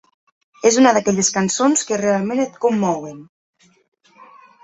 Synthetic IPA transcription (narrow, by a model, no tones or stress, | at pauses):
ezunəðakɛʎeskansonskərealˠmẽnət̪kumːɔwen